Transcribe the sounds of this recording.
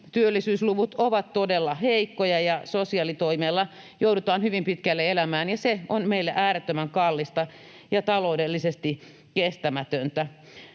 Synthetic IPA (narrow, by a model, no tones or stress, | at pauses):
t̪yølːisyːsluʋut̪oʋɑt̪t̪odelːɑheikːojɑjɑsosiɑlit̪oimeːlːɑ | joudut̪ɑːnhyʋimpit̪kælːeelæmæːnjɑseonmeilːeʔæːɾet̪ːømæŋkɑlːist̪ɑ | jɑt̪ɑloudelːisest̪i | kest̪æmæt̪ønt̪æ